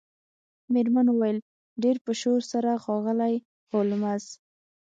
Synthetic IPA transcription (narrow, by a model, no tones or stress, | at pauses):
meɾmanwuwajəl | ɖeɾpəʃoɾsaɾaxɑɣəlaj | holmaz